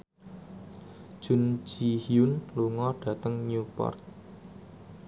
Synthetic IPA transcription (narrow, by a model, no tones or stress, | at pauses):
ʒ̥ʊnd͡ʒ̥ihiʊnluŋɔɖ̥ä̤t̪əŋnupɔ̰rt̪̚